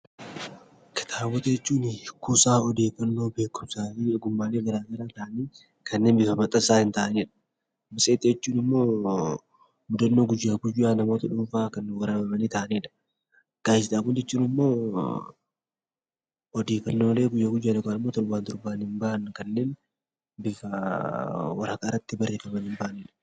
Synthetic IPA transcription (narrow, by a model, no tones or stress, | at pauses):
kɪ̥t̪ʰaːwɔt̪ɛt͡ʃːuːnɪkʊsʼaːɔd̪e̞ːkɐnːo̞ːbe̞ːkːʊmsaːiːɡʊmːaːleːɡɐɾaːɡɐɾaːt̪aːniː | kʰɐnːe̞ːnbɪfɐmɐt̪ʼːɐsaːhɪnt̪aːɐneːᶑɐ̥ | mɪsʼeːt̪ʼɪɛt͡ʃːuːnɪmːo̞ː | mʊd̪ɐnːoːɡʊd͡ʒːaːɡʊjːaːnɐmo̞ːt̪ɐᶑuːfaːkɐnːʊɡɐɾaːmɐmɐniːt̪aʔɐneːᶑɐ̥ | ɡ̥aːjsɪdaːkʊnd͡ʒɛt͡ʃːuːnɪmːo̞ː | ɔd̪iːkɐnːole̞ːɡʊjːaːɡʊjːaːnɔɡaːnɪmːoːt̪ɔɾbaːnt̪ɔɾbaːnhɪmbaʔɐnːkɐnːe̞ːn | bɪfɐ | wɐɾakaɾːɐt̪ːɪbɐrːe̞ːfɐmɐnɪmbaʔɐneːᶑɐ̥